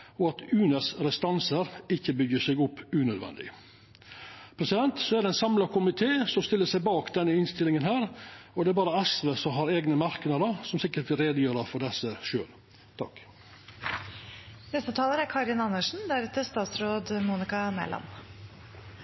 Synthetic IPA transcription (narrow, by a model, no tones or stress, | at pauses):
ɔɑt̪ʰʉːnəsɾɛst̪ɑnsəɾɪçːəbʏɡəʂɛɡʊpːʉnœd̪ʋɛ̰nd̪ɪ̰ | pʰɾɛsɪd̪ɛnt̪sɔæɖ̪ɛnsɑmlɑkʰʊmɪt̪ʰeːsɔmst̪ɪlːəsæɪbɑːkd̪ɛnːəɪnst̪ɪlɪŋənhæːɾɔd̪ɛæɾbɑːɾəɛsʋesɔmɦɑɾeːɡnəmɑɾknɑd̪əɾsɔmsɪkːəʈ̚bɪɾeːd̪əjøːɾɑfɔɖɛsːəʃøːl | t̪ʰɑ̰k | nɛst̪ət̪ʰɑːləɾæɾkʰɑɾɪnɑnːəʂn̩d̪æɾʉːt̪əst̪ɑːt̪sɾoːd̪muːnɪkɑmɛ̰lɑ̰n